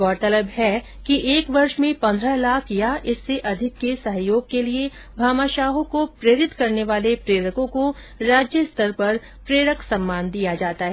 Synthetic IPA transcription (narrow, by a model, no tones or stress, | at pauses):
ɡɔːɾt̪ɐləbɦɛ | kiʔeːkʋɐɾʃmẽpɐ̃nd̪ɾəlaːkʰjaʔɪsːeʔɐd̪ʱɪkːesɐɦjoːɡ̚kelie | bʱaːmaːʃaːɦõkopɾeːɾɪt̪kɐɾneʋaːlepɾeːɾəkõko | ɾaːd͡ʒjəst̪əɾpɐɾ | pɾeːɾəksɐ̃mːaːnd̪ijad͡ʒaːt̪aɦɛ